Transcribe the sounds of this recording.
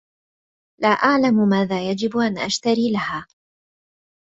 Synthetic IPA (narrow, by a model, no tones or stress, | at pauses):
laːʔaʕlammaːðaːjad͡ʒɪbʔanʔaʃt̪aɾiːlahaː